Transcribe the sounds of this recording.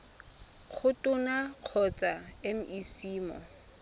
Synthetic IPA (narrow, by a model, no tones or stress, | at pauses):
k͡xʰʊtʊnaq͡χʰɔt͡sʼaɛm̩ʔisiːmɔ̰